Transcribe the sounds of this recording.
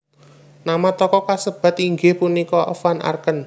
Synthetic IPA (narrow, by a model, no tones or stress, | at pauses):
namat̪ɔkɔkasəb̥a̤t̪iŋɡehpunikɔʔfanʔa̰rkən